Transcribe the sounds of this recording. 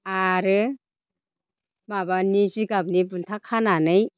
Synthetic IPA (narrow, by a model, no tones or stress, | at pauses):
aɾɯ | mabanisiɡab̚nibuntʰakʰananɯj